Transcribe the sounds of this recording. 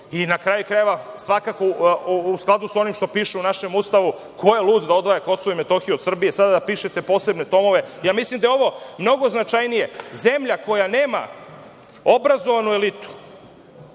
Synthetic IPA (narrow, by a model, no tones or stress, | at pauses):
inakɾajukɾajeʋasʋakakousklˠad̪uso̞nimʃt̪o̞piːʃeunaʃe̞must̪aʋu | kʰo̞jelˠuːd̪d̪ao̞d̪ʋajako̞sooime̞t̪o̞xijuod̪sr̩bije̞sad̪ad̪apiːʃet̪e̞po̞ːse̞bne̞t̪o̞mo̞ʋe̞jaːmislˠimd̪ajeo̞ʋo̞mno̞ɡo̞znat͡ʃajnije̞ze̞mʎako̞jane̞ːma̰ | obɾazo̞ʋanue̞lit̪u̥